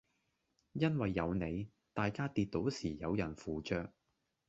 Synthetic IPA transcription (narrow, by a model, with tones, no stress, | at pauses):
jɐ˥nwɐ˨jːɐ˨˧wne˨˧j | t̪aː˨˧jkaː˥t̪iː˧t̚t̪ːo˨˥wsiː˨˩jɐ˨˧wjɐ˨˩nfuː˨t͡ʃœː˧k̚